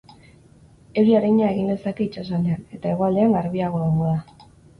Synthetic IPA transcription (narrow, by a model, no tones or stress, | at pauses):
e̞wɾiaɾaɲaeɣind̪e̞sake̞it͡ʃasaleane̞t̪ae̞ɣo̞ald̪e̞aŋɡaɾβiaɣo̞ðomoða